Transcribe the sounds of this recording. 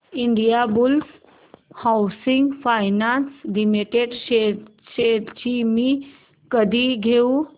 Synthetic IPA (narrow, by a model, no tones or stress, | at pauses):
iɳɖijabuls | hawsiŋɡfajnanslimiʈeɖɕe | ɕeɽt͡ɕimi | kəd̪ʱiɡʱeu